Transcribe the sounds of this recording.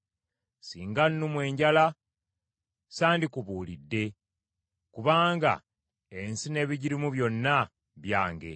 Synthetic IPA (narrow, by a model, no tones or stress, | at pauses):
siːŋɡanːumwe̞ːɲɟala | saːndikuβuːlidːe̞ | kuβaːŋɡa̰ | e̞nsine̞ːβiɟiɾimuβjo̞nːa | βjaːŋɡe̞̰